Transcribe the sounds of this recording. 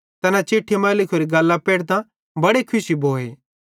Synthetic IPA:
t̪ɐnãt͡ʃeːʈʰːemɐlɪkʰoːɾiɡɐlːapeːɽt̪ã | bɐɽekʰʊsibʱoːeː

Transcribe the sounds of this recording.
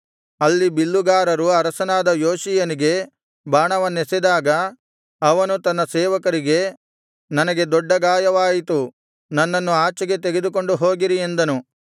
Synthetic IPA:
ɐlːibilːuɡaːɾɐɾuɐɾɐsɐnaːd̪ɐjoːʃijɐniɡe̞ | baːɳɐʋɐnːesed̪aːɡɐ | ɐʋɐnut̪ɐnːɐsɛːʋɐkɐɾiɡe̞ | nɐnɐɡe̞d̪ɔɖːɐɡaːjɐʋaːjit̪u | nɐnːɐnːuaːt͡ʃɐɡe̞t̪eɡe̞d̪uko̞ɳɖuɦoːɡiɾie̞nd̪ɐnu

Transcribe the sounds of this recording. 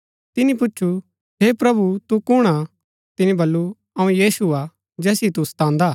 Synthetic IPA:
t̪ɪnĩpʊt͡ʃːʃʰu | ɦepɾɐbut̪ukʊɽ̃a | t̪ɪnĩbɐlːu | ɐũjiːsua | d͡ʒɛːsit̪ust̪ãːnd̪aː

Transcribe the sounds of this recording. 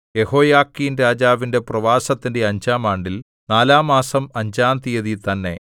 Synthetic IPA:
je̞ho̞ːjaːkːiːnɾaːd͡ʑaːʋinde̞prɐʋaːsɐt̪ːinde̞ɐɲd͡ʑaːmaːɳɖil | naːlaːmaːsɐmɐɲd͡ʑaːnt̪ijɐðit̪ɐnːe̞̰

